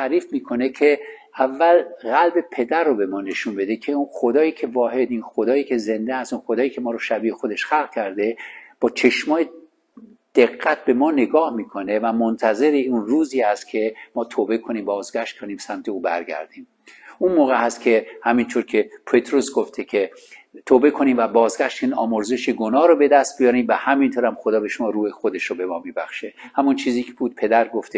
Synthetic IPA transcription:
t̪ʰæʔɾiːfmiːkʰo̞ne̞kʰe̞ | ævːælɣælbe̞pʰe̞d̪æɾːobe̞mɒːne̞ʃunbe̞d̪e̞cʰe̞unxod̪ɒːjiːcʰe̞vɒːhe̞d̪iːnxod̪ɒːjiːcʰe̞ze̞nd̪ehæst̪unxod̪ɒːjiːcʰe̞mɒːɾoʃæbiːexod̪e̞ʃxælɣkʲʰæɾd̪e̞b̥ɒːt͡ʃʰe̞ʃmɒːje | d̪̥eɣːæt̪̚be̞mɒːne̞ɡɒːhmiːkʰo̞ne̞væmont̪ʰæze̞ɾeunruːziːæst̪̚cʰe̞mɒːt̪ʰoːbe̞kʰo̞niːmbɒːzɡæʃt̪̚kʰoniːbsæmt̪ʰe̞uːbæ̰ɾɡæ̰ɾd̪iːm | unmoːɣehæst̪cʰe̞hæmint̪ʰoɾcʰe̞pʰet̪ʰɾosɡoft̪ʰekʰe̞t̪ʰoːbe̞kʰoniːmvæbɒːzɡʲæʃt̪iːnɒ̰ːmoɾze̞ʃeɡonɒːɾobe̞d̪æst̪̚bijɒːɾiːmvæhæmint̪ʰoɾæmxod̪ɒːbe̞ʃomɒːɾuːhexod̪e̞ʃobe̞mɒːmiːbæ̰xʃehæmunt͡ʃʰiːziːkʰebuːd̪̚pʰed̪æɾɡoft̪e

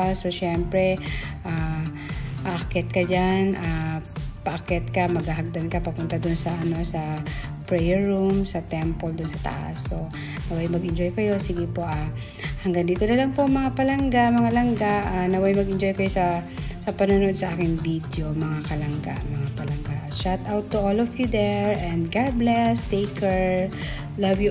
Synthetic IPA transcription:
asoʃɛmpɾɛʔa | ʔakɛt̪̚kɐd͡ʒanʔapakɛt̪̚kɐmɐɡaɦɐɡ̚d̪ankɐpɐpʊnt̪ad̪ʊnsɐʔɐno̞sɐ | pɹɛjɛɹɹumsɐt̪ɛmpold̪ʊnsɐt̪ɐ̰ʔa̰so̞ | nɐwɐjmɐɡɪnd͡ʒojkɐjo̞siɡɪpo̞ʔa | hɐŋɡɐnd̪iːt̪onɐlaŋpoŋmɐŋapɐlɐŋɡaʔmɐŋalɐŋɡaʔanɐwɐjmɐɡʔɪnd͡ʒo̞jkɐjo̞sɐsɐpɐnonoʔod̪sɐʔaːkɪŋvid̪jo̞mɐŋakɐlɐŋɡa̰ʔmɐŋapɐlɐŋɡaʔʃat̪ʔawt̪ːuʔolɔfjud̪ɛɹʔɛnd̪ɡaɹblɛst̪ejkɛɹ | lɐvju

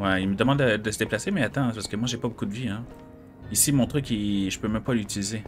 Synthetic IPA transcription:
wɛilməd̪əmɑ̃d̪ːəd̪əsəd̪eplasemɛat̪ɑ̃paʁsə̥kəmwaʒepabokud̪əviɛ̃ | isimɔ̃t̪χykiʒəpømɛ̃mpalyt̪ilize

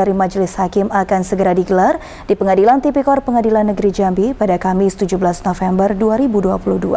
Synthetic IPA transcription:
aɾimad͡ʒəlɪshakɪmakansəɡəɾadiɡəlar | d̥ipəŋadilant̪ipikɔrpəŋadilanːəɡɾid͡ʒambipadakamɪst̪ud͡ʒubəlasnofɛmbərduaɾibuduapuluhdua̰

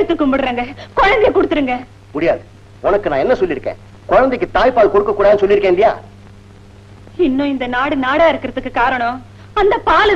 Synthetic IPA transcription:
ɽɯt̪ːɯkːʊmbɯɽɾaːŋɡɐkɔɻɐnd̪ɪjɐkɔɽɯt̪ːɯɾɯŋɡɐ | mʊɽɪjaːðɯ | ɔnɐkːɯnãːɛnːɐsɔlːɪɾɯkːḛ̃ː | kɔɻɐnd̪ɛkːɯt̪aːjpaːlkɔɽɯkːɐkːuːɽaːðɯnɯsɔlːɪɾɯkːẽːnd̪ɪja̰ː | ɪnːʊ̃ɪnd̪ɐnaːɽɯnaːɽaːɪɾɯkːɪɾɐðɯkːɯkaːɾɐɳõ | ɐnd̪ɐpaːlɯ

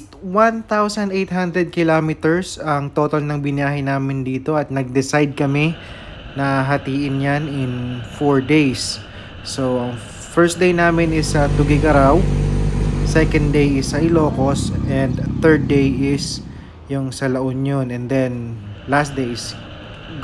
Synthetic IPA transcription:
want̪awsɐnd̪ejt̪̚ɦand̪ɾɛd̪̚kɪlamɪt̪ɛɹsɐŋt̪ot̪ɐlnɐŋbɪnjaːɦɪjnaːmɪnd̪iːt̪o̞ɐt̪̚nɐɡ̚d̪ɪsajd̪̚kɐmɛ | nɐɦɐt̪iːʔɪnjanɪnfoɹd̪ejsː | oʔɐŋ | fɛɹs̚d̪ejnaːmɪnɪsːɐd̪ʊɡɪɡɐɾaw | sɛkɐ̃n̚d̪ejɪsːɐʔɪlo̞ːko̞sʔɛnd̪θɛɹd̪̚ːejɪs | jʊŋsɐlɐʔonjonɛnd̪ɛnlast̪̚d̪ejs

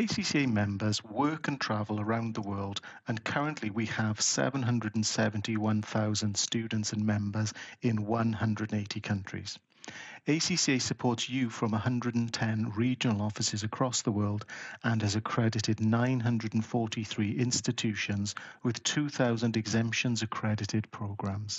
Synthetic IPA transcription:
eɪsisieɪmɛ̃mbə˞zwɜˑkə̃ntʰɹ̥avəlˠəɹãʊ̃nðəwɜːlˠd | ə̃nkʰʌɹə̃nʔliwiəv̥sɛ̰və̃nɦʌ̃ndɹəd̃n̩sɛvə̃ntiwʌ̃nθaʊzə̃nd̥stʉːdⁿn̩tsə̃nmɛ̃mbəzɪ̃nwʌ̃nɦʌ̃ndɹədə̃neɪtʰikʰʌ̃nt͡ʃɹ̥ḭz̥ | eɪsisesəpʰɔɹtsjʉfɹə̃məhʌ̃ndɹəd̃n̩tʰɛ̃nɹiːd͡ʒənəlˠɔfɪsɪzəkʰɹ̥ɔsðəwɜːlˠdə̃nəzəkʰɹ̥ɛdɪtɪdⁿnãɪ̃nɦʌ̃ndɹədə̃n̩fɔɹtiθɹiːʔɪ̃nstɪtʰʉˑʃə̃nzwɪð̥tʰʉːθaʊzə̃ndɨɡzɛ̃mpʃə̃nzəkʰɹ̥ɛdɪtɪd̚pʰɹ̥oʊɡɹãmz̥

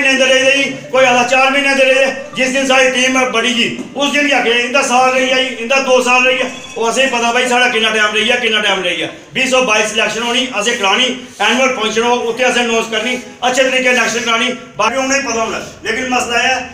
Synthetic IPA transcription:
nẽd̪eːleiləiiːkoːiːalaːt͡ʃaːɾmɪ̃ːnːẽːd̪eːleiɛːd͡ʒɪsd̪ɪnsaːɽiːt̪iːmbəɽiːd͡ʒiːʊsd̪ɪnaːkːaːɪnd̪aːsaːlɾəiːaːiːɪnd̪aːd̪oːsaːlɾəiːaː | oːəsẽːpət̪aːpaːiːsaːɽaːkɪnːãːʈɛːmɾəiːɛːkɪnːaːʈɛːmɾəija̰ː | biːsɔːbaːiːslɛːkʃənɦoːniːʔəsẽːkɾaːɽ̃iː | ɛːnʋəɾpɔ̃ːnt͡ʃnoːʊt̪ʰːẽːəs̬ẽːnoːskəɾniː | ətːʃʰeːt̪əɾiːkeːlɛːkʃənkɾaːniː | baːkĩːʊnãːiːpət̪aːʊːnã̰ːleːkɪnməslaːɛː

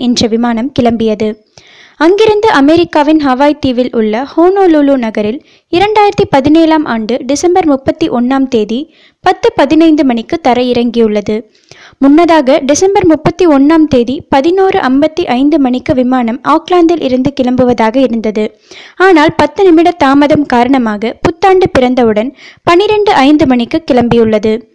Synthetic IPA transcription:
ɛndrɐʋɪmaːnɐmkɪɭɐmbɪjɐðɯ | ɐŋɡɪɾɯnd̪ɯʔɐmɛɾɪkːaːʋɪnɦɐʋaːjt̪iːʋɪlʔʊɭːɐhoːnoːluːluːnɐɣɐɾɪl | ɪɾɐɳɖaːjɪɾɐt̪ːipɐðɪneːlaːmʔaːɳɖɯɖɪsɐmbɐɾmʊpːɐt̪ːiʔɔnːaːmt̪eːði | pɐt̪ːɯpɐðɪnɐɪnd̪ɯmɐɳɪkːɯt̪ːɐɾɐjɪɾɐŋɡijɯɭːɐðɯ | mʊnːɐðaːɣɐɖɪsɐmbɐɾmʊpːɐt̪ːiɔnːaːmt̪eːðipɐðɪnuːrɯʔɐmbɐt̪ːiʔɐɪnd̪ɯmɐɳɪkːɯʋɪmaːnɐmʔaːklaːnd̪ɪlʔɪɾɯnd̪ɯkɪɭɐmbɯʋɐðaːɣɐɪɾɯnd̪ɐðɯ | aːnaːlpɐt̪ːɯnɪmɪɽɐt̪aːmɐðɐmkaːɾɐɳɐmaːɣɐpʊt̪ːaːɳɖɯpɪɾɐnd̪ɐʋɯɽɐnpɐnɪɾɛɳɖɯʔɐɪnd̪ɯmɐɳɪkːɯkɪɭɐmbɪjɯɭːɐðɯ

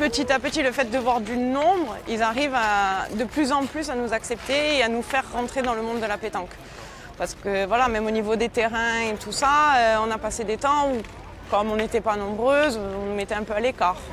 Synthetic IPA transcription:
pət̪it̪apət̪iləfɛt̪̚d̪əvwaʁd̪ynɔ̃bʁilzaʁivad̪əplyzɑ̃plysanuzaksɛp̚t̪eːanufɛʁːɑ̃t̪χed̪ɑ̃ləmɔ̃d̪ːəlapet̪ɑ̃k | paʁsə̥kəvwalamɛmonivod̪et̪eʁɛ̃et̪usaøɔ̃napased̪et̪ɑ̃u | kɔmɔ̃net̪ɛpanɔ̃bʁøzɔ̃numɛt̪ɛɛ̃pøalekaːʁ

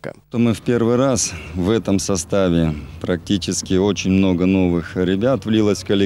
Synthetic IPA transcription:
kə̰t̪omɨfpʲe̞rvɨjrasvɛt̪əmsɐst̪avʲɪpɾɐk̚tʲit͡ɕɪskʲɪo̞t͡ɕɪnʲmno̞ɡəno̞vɨxɾʲɪbʲat̪vlʲilˠəsʲkəlʲɪ

